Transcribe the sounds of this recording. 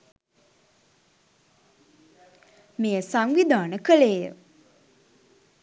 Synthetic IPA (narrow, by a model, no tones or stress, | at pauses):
mejəsaŋʋid̪ʱaːnəkəleːjə̰